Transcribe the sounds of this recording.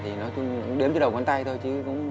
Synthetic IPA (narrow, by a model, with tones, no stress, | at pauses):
t̪ʰi˨˩nɔ˨˦t͡ɕʊ˧ŋ͡mŋ͡mɗi˨˦əmt͡ɕɔ˨˦ɗə˨˩wkwa˨˧˦nt̪a˧jt̪ʰo˧jt͡ɕɨ˨˦kʊ̰˧˥ŋ͡m